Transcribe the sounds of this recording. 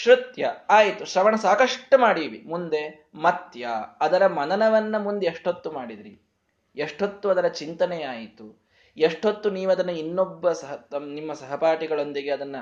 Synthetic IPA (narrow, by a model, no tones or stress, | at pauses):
ʃɾut̪jɐaːjit̪uʃɾɐʋɐɳɐsaːkɐʂʈːɐmaːɽiʋimund̪e̞ | mɐt̪jɐːd̪ɐɾɐmɐnɐnɐʋɐnːɐmund̪eːʂʈot̪ːumaːɽid̪iɾḭ | eʂʈot̪ːuɐd̪ɐɾɐt͡ʃint̪ɐnejaːjit̪u | eʂʈot̪ːuniːʋuɐd̪ɐnːɐinːobːɐsɐɦɐɐnimːɐsɐɦɐpaːʈiɡɐɭo̞nd̪iɡe̞ɐd̪ɐnːɐ